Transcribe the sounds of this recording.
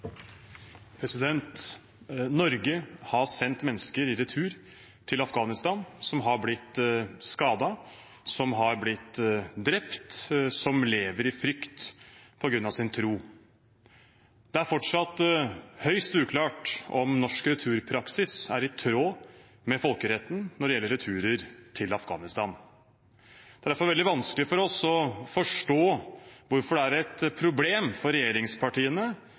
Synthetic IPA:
pʰɾɛsɪd̪ɛnt̪ | nɔɾɡəhɑsɛnt̪mɛnːəskəɾɪɾɛt̪ʰʉːɾ | t̪ʰɪlɑfɡɑːnɪst̪ɑːnsɔmɦɑɾblɪt̪ːskɑːd̪ɑ | sɔmɦɑɾblɪt̪ːd̪ɾɛpt̪sɔmleːʋəɾɪfɾʏkt̪pʰɔɡɾʉnːɑʋsɪnt̪ʰɾuː | d̪̥ɛæɾfɔʈʂɑt̪ːhœʏst̪ʉːkʰlɑːʈɔ̰mnɔʂkɾɛt̪ʰʉːɾpʰɾɑksɪsæɾɪt̪ʰɾoː | mɛfɔlkəɾɛt̪ːn̩nɔɖɛjɛlːəɾɛt̪ʰʉːɾəɾt̪ʰɪlɑfɡɑ̰ːnɪst̪ɑːn | d̪ɛæd̪æfɔɾʋɛld̪ɪʋɑnskəlɪəfɔɾɔsɔfɔʂʈoːʋʊɾfɔɖɛæɾɛt̪pʰɾʊbleːmfɔɾːɛjeːɾɪŋspʰɑʈiːənə

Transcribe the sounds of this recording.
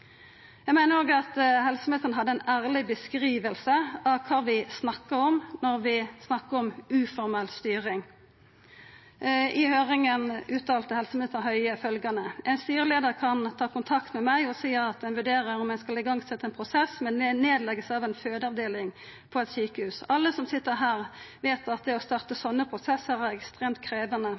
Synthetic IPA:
jæɪmæɪnəɾoːɡɑt̪hɛlsəmeːt̪əʁnəɦɑd̪ːəɛnæːʁlɪbəskɾiːʋəlsəɑʋkʰɑːʋɪsnɑkːəɾɔmnɔɾʋɪsnɑkːəɔmʉːfɔɾmɛlt̪st̪yːʁɪŋ | ʔɪhøːʁɪŋənʉːt̪ɑːlt̪əhɛlsəm̩eːt̪ən̩ɦœʏəfœlɡɑnəʔɛnst̪yːʁəleːd̪əʁkʰɑnt̪ʰɑːkʊnt̪ʰɑkt̪mɛmæɪɔsiːɑt̪̚ɛnʋʉɖeːʁəɾɔmæɪskɑlɪɡɑŋsɛt̪ːəɛːnpʰʁʊsɛsmɛnɛneːd̪lɛɡəsɑʋɛnføːd̪əɑʋd̪eːlɪŋ | pʰɔɛt̪syːkəhʉːsɑlːəsɔmsɪt̪ːəʁɦæːʁʋeːt̪ɑt̪̚d̪ɛɔst̪ɑʁt̪əsɔnːəpʰʁʊsɛsːəɾæʁɛkst̪ʁeːmt̪̚kʰɾeːʋənə

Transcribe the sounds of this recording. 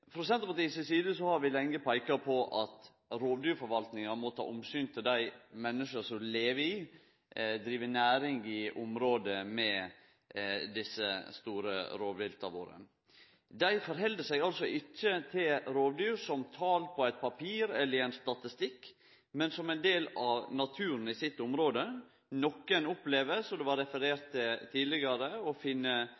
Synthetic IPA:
pɾʊsɛnt̪ɔpɑt̪iːsəsiːd̪əsɔhɑɾʋɪlɛŋːəpʰæɪkɑpʰɔʔɑt̪ | ɾoːʋd̪yːɾfɔɾʋɑlt̪nɪŋɑmɔt̪ʰɑ̰ːʔʊmsyːnt̪ʰɪld̪æɪmɛnːəʂəsɔmleːʋəɪ | d̪ɾiːʋənæːɾɪŋɪʔʊmɾoːd̪əmɛ | d̪ɪsːəst̪uːɾə̰ɾoːʋɪlt̪ʰɑʋo̰ːɾə̰ | d̪æɪfɔɾɦɛld̪əsɛɡɑlsɔʔɪcːət̪ʰɪlɾoːʋd̪yːɾsɔmt̪ʰɑːlpʰɔæɪt̪̚pʰɑpʰiːɾɛlːəɾæɪnst̪ɑt̪ɪst̪ɪkː | mɛnsɔmɛɪnd̪eːlɑʋnɑt̪ʰʉːɾən̩ɪsɪt̪ːʊmɾoːd̪ə | nɔkːənʊpleːʋəsɔd̪ɛʋɑɾɛfəɾeːɾt̪ʰːɪlt̪ʰiːd̪lɪɡɑɾəɔfɪnːə

